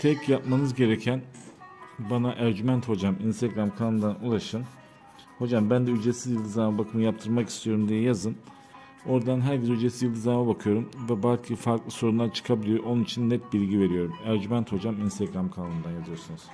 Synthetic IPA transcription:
t̪ʰɛcjap̚manɯzɟe̞ɾɛcʰæn | banaʔæɾɟymænt̪ho̞d͡ʒaminst̪ʰɛɡɾamkʰanaɯnd̪anulˠaʃɯn | ho̞d͡ʒambænd̪ɛyd͡ʒesizjilʲˠd̪izanmabakʰɯmɯjap̚t̪ʰɯɾmaki̥st̪ʰijo̞ɾumd̪ijɛjazɯn | o̞ɾd̪anɦæɾɟezyd͡ʒesizjld̪izanmabakʰɯjo̞ɾumvɛbaɾcʰifaɾklˠɯso̞ɾunlˠaɾt͡ʃʰɯ̥kʰabilʲijʔo̞nunit͡ʃʰinːɛt̪̚bilʲɟive̞ɾijo̞ɾumæɾɟymænt̪ho̞d͡ʒaminst̪ʰɛɡɾamkʰananɯnd̪anjazijo̞ɾsunuz̥

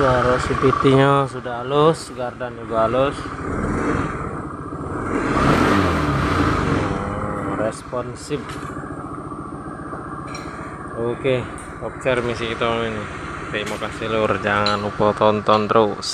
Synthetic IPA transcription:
jaɾɛsipit̪iɲasudalusɡardanuɡalus | rɛspɔnsib̚ | oke | ɔp̚t͡ʃɛrmis̬ikit̪aini | t̪imakasilurd͡ʒaŋanupɔt̪ɔnt̪ɔnt̪ɾos

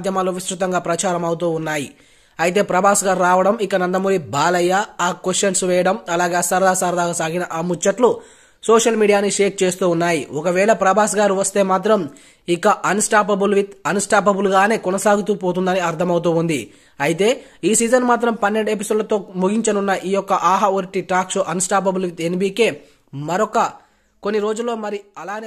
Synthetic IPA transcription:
d̪ʱjɐmaːloːʋiʃɾut̪ɐŋɡaːpɾɐt͡ʃaːɾɐmɐwut̪uːunːaːji | ɐjit̪e̞ːpɾɐbʱaːsɡaːɾɾaːʋɐɽɐmikːɐnɐnd̪ɐmuːʋibaːlɐjːaaːkʋesʈʃɐnsʋɛːjɐɽɐmɐlaːɡeːɐsɐɾɐd̪ʱaːsaːɾɐd̪aːɡasaːɡinɐʔɐmut͡ʃːɐʈlu | soːʂɐlmiːɽijaːniʂe̞ːk̚t͡ʃe̞ːst̪uːunːaːjiɔkɐʋɛːɭɐpɾɐbʱaːsɡaːɾuʋɐst̪e̞ːmaːt̪ɾɐm | ikːɐʔɐnsʈaːpɐbulʋit̪ɐnsʈaːpɐbuluɡaːne̞ːkɔnɐsaːɡut̪̬uːpo̞ːt̪̬und̪ɐniɐɾt̪ʰɐmɐwut̪uːund̪ḭ | ɐjit̪e̞ː | iːsiːd͡ʒɐnmaːt̪̬ɾɐmpɐnːe̞ɳɖe̞p̬isoːɖlɐt̪o̞ːmuɡiɲt͡ʃɐnunːɐʔiːjɔkːɐʔaːɦaoɾiʈiʈaːksoːʔɐnsʈaːpɐbulʋit̪enbiːkeː | mɐɾɔkɐ | konːiɾo̞ːd͡ʒulːo̞ːmɐɾiɐlaːn

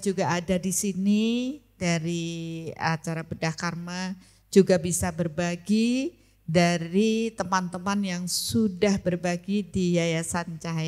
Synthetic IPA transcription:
d͡ʒuɡaːdadisini | daɾiat͡ʃaɾabədahkarma | d͡ʒuɡabisabərbaɡi | daɾit̪əmant̪əmanjaŋsudahbərbaɡidijajasant͡ʃa

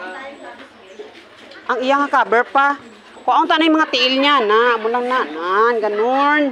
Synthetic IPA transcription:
ʔaŋɪjaŋakaːbɛɹpa | koʔaʔʊnt̪aʔnajmɐŋat̪ɪʔɪlɲanaʔmʊlaŋnaʔnanɡɐnon

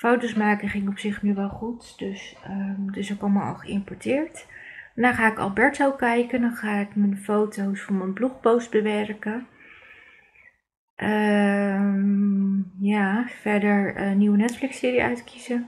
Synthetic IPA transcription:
fowtosmaːkəχɪŋɔpsɪχnyʋɛlˠχutdɵsədɵsɪkɔlˠmaːlɑ̰lˠχəɪmpɔɹtɪːɹtnaːχaːɪkɑ̰lˠbɛɹtowkɛjkəndɑnχaːɪkmənfowtowsfɑnmənbluχbowstbəʋɛɹkə | ʔə | m | jaːfɛɹdəɹniwənɛtflɪksɪːɾijəœ̰ɥtkizə

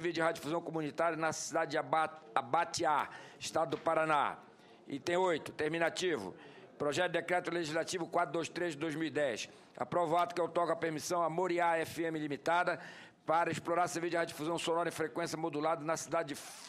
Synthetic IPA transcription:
vid͡ʒɪhad͡ʒifuzɐ̃w̃komũnit̪aɾjɐnɐsid̪ad͡ʒɪd͡ʒaabat͡ʃ̪iaɪʃt̪ad̪ʊd̪ʊpaɾana̰ | ɪ̰t̪ẽj̃ojt̪ʊ̥t̪eɾmĩnat͡ʃivʊ̰ | pɾoʒɛt̪ʊd̪ekɾɛt̪ʊleʒizlat͡ʃivʊkwat̪ɾʊd̪ojʃt̪ɾezʒd͡ʒɪd̪ojzmiwid̪ɛs | a̰pɾovat̪ʊ̥kɛwt̪ɔkɐpeɾmisɐ̃w̃ɐmoɾiaɛfɪẽmɪlimit̪ad̪ɐ | paɾɐɪsploɾaɾsevid͡ʒɪhad͡ʒifuzɐ̃w̃sõnɔɾɐẽfɾekwẽsjɐmod̪ulad̪ɐnɐsid̪ad͡ʒɪd͡ʒɪ

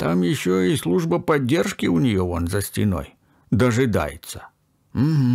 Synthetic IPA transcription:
t̪amjɪɕːoislˠuʐbəpɐdʲːerʂkʲɪʊnʲɪjoonzəsʲtʲɪno̞̰j | d̪əʐɨd̪a̰jɪ̰t̪sə̥ | m̩m̩

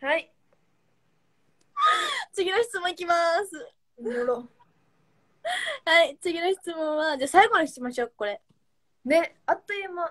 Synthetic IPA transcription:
hai | t͡sɨɡʲinoçi̥t͡sɨmõikʲimasɨ | o | hait͡sɨɡʲinoçi̥t͡sɨmõ̞ɰ̃βad͡ʑaːsaiɡo̞nokʲi̥t̪imaɕo̞ːkko̞ɾe̞ | ne̞at̪ːoima

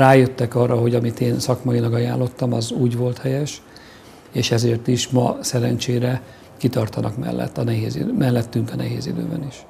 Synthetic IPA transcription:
raːjøt̪ːɛkɒrːɒɦo̞ɟɒmit̪eːnsɒkmɒjilɒɡɒjaːlːo̞t̪ːɒmɒzuːɟʋo̞lt̪hɛjɛʃ | eːʃɛzeːrt̪iʃmɒ̰sɛɾɛnt͡ʃeːɾɛ | kit̪ɒrt̪ɒnɒkmɛ̰lːɛ̰t̪ːɒnɛɦeːzḭd̪mɛlːɛt̪ːyŋkɒnɛɦḛːzid̪ø̰ːbɛ̰niʃ

